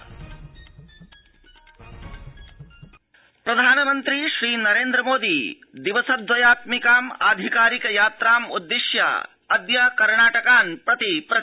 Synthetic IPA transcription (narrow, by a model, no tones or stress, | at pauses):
pɾɐd̪ʱaːnɐmɐnt̪ɾiʃɾiːnɐɾeːnd̪ɾɐmoːd̪i | d̪iʋɐsɐd̪ʋɐjaːt̪mikaːma̰ːd̪ʱikaːɾikɐjaːt̪ɾaːmud̪ːɪʃjɐ̰ | ɐd̪jɐkɐɾɳaːʈɐkaːnpɾɐt̪ipɾɐ